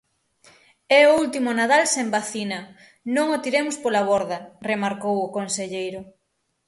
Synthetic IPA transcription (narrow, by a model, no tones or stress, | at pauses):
ɛoult̪imʊnað̞alsembaθinɐ | nõŋot̪iɾemʊspolaβ̞oɾðɐremaɾkowʊkonseʎejɾʊ